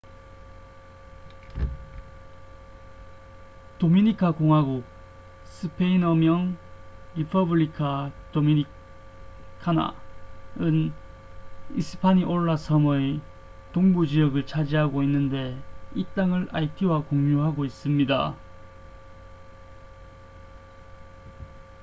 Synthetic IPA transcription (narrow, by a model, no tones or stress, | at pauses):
tominikʰakoŋɦwaɡo | sʰɯpʰeinʌmjʌŋɾipʰʌbɯɭikʰatomini | kʰana̰ | ɯn | ḭsɯ̥pʰaɲiʔoɭːasʰʌmʌe | toŋbud͡ʑijʌɡɯɭt͡ɕʰad͡ʑiɦaɡoinːɯnde̞it͈aŋɯɭʔaitʰiwakoŋɲuɦaɡois͈ɯmɲida̰